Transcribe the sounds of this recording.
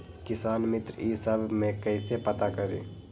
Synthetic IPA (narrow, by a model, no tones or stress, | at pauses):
kɪsaːnmɪt̪ɾisəbʱmẽkɛɪsepɐt̪akəɾḛː